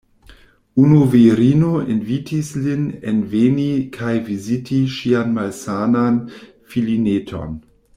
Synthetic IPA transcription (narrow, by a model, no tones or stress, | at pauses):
unuviɾinoinvitʰislinenvenikʰajvizitʰiʃianmalsanan | filinetʰo̰n